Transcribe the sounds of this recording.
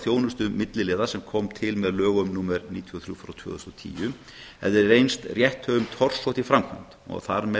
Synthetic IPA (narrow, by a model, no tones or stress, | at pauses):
θjoːwnʏst̪ʏmɪt̪lɪlɪːðasɛmkʰɔmt̪ʰɪlmɛðlœːɣʏmnuːmɛɾniːt̪ʰiɔθɾjufɾat̪ʰvœ̰ːðʏst̪ɔt̪ʰḭːjʏ | ɛ̰ððɪɾɾejnst̪rjɛht̪hœːɣʏmt̪ʰɔr̥sɔht̪ifɾamkʰva̰nt̪ɔ̰ɣθaɾmɛ